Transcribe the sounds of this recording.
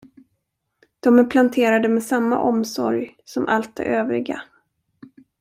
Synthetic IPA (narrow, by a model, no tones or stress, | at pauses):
d̪̥ɔmæɾpʰlant̪ʰeːɾad̪əmɛsamːa̰ʔɔmsɔ̰ɾjsɔmʔa̰lt̪̚d̪ɛ̰ʔøːvɾɪɡa̰